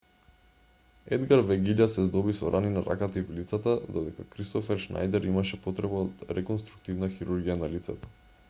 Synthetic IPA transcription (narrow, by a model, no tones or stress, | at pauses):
ɛd̪ɡaɾvɛɡiʎasɛzd̪ɔbisɔɾʔaninaɾʔa̰kat̪ivlit̪sat̪ad̪ɔd̪ɛkakɾist̪ɔfɛɾʃna̰jd̪ɛɾimaʃɛpɔt̪ɾɛbaot̪ɾɛkɔnst̪ɾu̥k̚t̪ivnaxiɾuɾɡijanalit̪sɛt̪ɔ̥